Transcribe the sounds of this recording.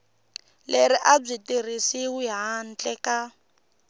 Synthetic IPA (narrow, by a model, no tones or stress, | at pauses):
leriʔab͡ʐʷitirisiɦujɦan̩t͡ɬʼɛka